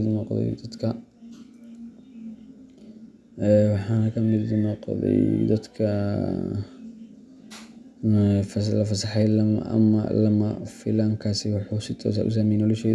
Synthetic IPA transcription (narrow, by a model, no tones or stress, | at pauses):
ðnɔːqðɛ̰jd̪ɐd̪kʰɐ | ɛwɑħɑːnɐkʰɐmɪðnɔːqɔ̰ðɛ̰jd̪ɐd̪kʰɐ | flɐfɐsɑħɛjlɐɐ̰mɐ̰lɐmɐfɪlaːŋkʰaːsɪwɑħuːsɪt̪ʰɔ̰ːs̬a̰ʔʊ̰s̬aːmɛjnɔlɛʃɛð